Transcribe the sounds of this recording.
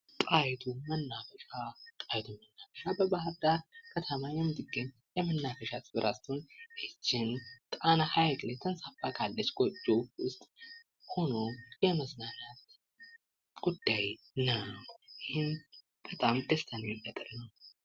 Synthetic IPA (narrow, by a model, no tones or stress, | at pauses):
t̪ʼajt̪ʰumənːafəʃʼat̪ʼajt̪ʰuːənːafəʃabəbahɨɾd̪aɾkʰət̪ʰəmajɛmːɨt̪ɨɡəɲː | jɛmɨnːafəʃasɨbɨɾʔast̪ʰonɨt͡ʃːɪnt̪ʼanahajllajt̪ʰənsafakʰalːət͡ʃːɡod͡ʒːoʊst̪ʼ | ho̞no̞jɛməznanat̪ | ɡ̥ud̪ːaj | nəjɪhɪn | b̥ət̪ʼamd̪əst̪ʰanibət̪ʼɨlnəw